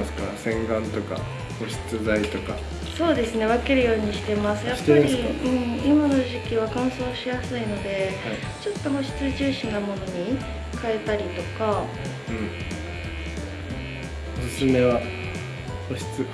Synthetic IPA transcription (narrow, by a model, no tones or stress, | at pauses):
sɨ̥kaɾsẽ̞ŋɡãnt̪o̞ka̰ | ho̞ɕi̥t͡sɨzait̪o̞ka̰ | so̞ːd̪e̞sɨne̞β̞ake̞ɾɯ̟jo̞ːɲ̟iɕi̥t̪e̞masɨjjap̪ːaɾiɯ̟̃ɴimano̞ʑikʲiβ̞akãɰ̃so̞ːɕijasɨino̞d̪e̞a | t͡ɕo̞t̪ːo̞ɦo̞ɕi̥t͡sɨʑɨːɕĩnːamo̞no̞ɲ̟i | kae̞t̪aɾʲit̪o̞ka | ɯ̟̃ɴ | osɨsɨme̞βa | ho̞ɕi̥t͡sɨ